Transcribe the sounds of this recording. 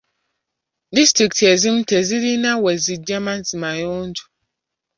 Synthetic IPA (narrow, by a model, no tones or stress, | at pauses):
distɾiktʰɛzim̩tʰɛziɾinãwɛzid͡ʒɛmãnzimãjɔn̩tu̥